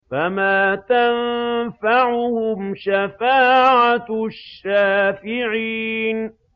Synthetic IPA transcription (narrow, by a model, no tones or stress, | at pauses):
famaːt̪anfaʕʊhʊmʃafaːʕaʃːaːfɪʕiːn